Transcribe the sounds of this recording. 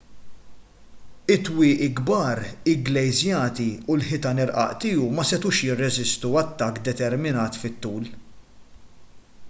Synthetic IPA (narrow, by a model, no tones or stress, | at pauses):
ɪt̪ːwɪːʔiɡbɐːɾɪɡlɛjzjɐːt̪iulħɪt̪ɐnɪɾʔɐ̰ʔt̪ɪːumɐsɛt̪uːʃjɪrːɛzɪst̪uɐt̪ːɐkːd̪ɛt̪ɛɾmɪnɐːt̪fɪt̪ːuːl